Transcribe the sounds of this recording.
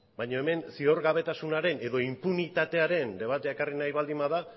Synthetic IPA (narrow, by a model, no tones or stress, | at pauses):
baɲo̞e̞me̞nsio̞ɾɣaβ̞e̞t̪asunaɾe̞ne̞ðo̞impunit̪at̪e̞aɾe̞nd̪e̞β̞at̪e̞aekarinajβald̪imaða